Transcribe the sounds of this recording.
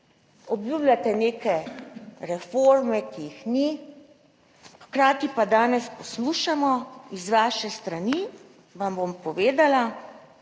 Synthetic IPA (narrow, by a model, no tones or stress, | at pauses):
ɔbjublʲat̪ɛneːkɛɾɛfoɾmɛkijixni | xkɾaːt̪ipad̪aːnɛspɔsluːʃamɔizʋaʃɛst̪ɾani | ʋambompɔʋeːd̪ala